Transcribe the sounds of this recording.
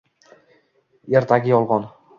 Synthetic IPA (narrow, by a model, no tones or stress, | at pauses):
eɾt̪ʰaɡʲɪjɒlˠʁɒn